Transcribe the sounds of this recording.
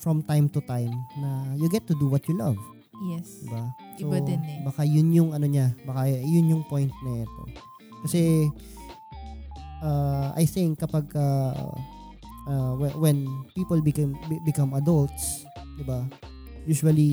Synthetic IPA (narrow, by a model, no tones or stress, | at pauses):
fɹɔmt̪ajmt̪ʊt̪ajmnɐjʊɡɛt̪ːʊd̪uwɐt̪̚t͡ʃʊlɐ̰v | jɛsdd̪ɪba | sonbɐkajʊnjʊŋɐnoɲabɐkajʊnjʊŋpojnt̪̚nɐʔɛt̪o̞̰ | kɐsɛ | ʔaʔa̰jθɪŋkːɐpaɡ̚ʔa | ʔawɛwɛnpiːpolbɪkɐmbɪkɐmɐd̪ɐlt̪s | d̪ɪba | juːʃʊwɐli